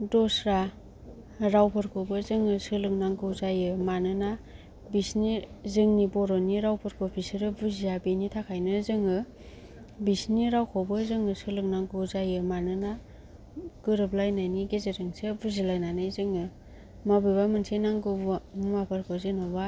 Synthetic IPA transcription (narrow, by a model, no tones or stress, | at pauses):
dɔsɾa | ɾawpʰɯɾkʰobɯzɯŋɯsɯlɯk̚naŋɡɯwzajɯmanɯna | bisnizɯŋnibɔɾɔniɾawpʰɯɾkʰopʰisɯɾɯbuziabenitʰakʰajnɯzɯŋɯ | bisniɾawkʰɔwbɯzɯŋɯsɯlɯk̚naŋɡɯwzajɯmanɯna | ɡ̥ɯɾɯp̚lajnajniɡezeɾɯŋsebuzilajnanɯjzɯŋɯ | mabɯjbamɯnsʰejnaŋɡɯwbɯmapʰɯɾkʰɯzɯnɯba